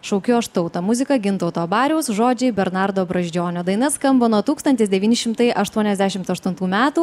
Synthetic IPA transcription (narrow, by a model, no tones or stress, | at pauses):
ʃɐʊkʲuɐʃt̪ɐʊt̪ɐmʊzʲɪkɐɡʲɪnt̪ɐʊt̪oːbɑːɾʲɛʊsʒoːd͡ʒʲɛɪbʲɛɾnɑɾd̪oːbɾɐʒʲd͡ʒʲoːnʲoːd̪ɐɪnɐskɐmboːnuɔt̪uːkst̪ɐnʲt̪ʲɪsd̪ʲɛʋʲiːnʲɪʃʲɪmt̪ɐɪʔɐʃt̪uɔnʲɛzʲd̪ʲæʃʲɪmt̪ɐʃt̪ʊnt̪uːmʲæːt̪uː